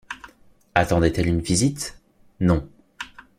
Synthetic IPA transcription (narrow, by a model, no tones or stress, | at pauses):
at̪ɑ̃d̪ɛt̪ɛlynvizit̪ | nɔ̃